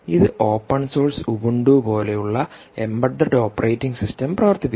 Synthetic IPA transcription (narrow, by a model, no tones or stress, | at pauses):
iðɨʔo̞ːpːɐnsoːrsubuɳɖupo̞ːle̞juɭːɐ | embɐɖːɐɖo̞ːpːɐrʔejtːiŋɡsistɐmprɐʋɐrt̪ːipː